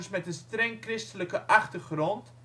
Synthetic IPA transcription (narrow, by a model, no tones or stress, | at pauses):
smɛtənstrɛŋkrɪstələkəʔɑχtərχrɔnt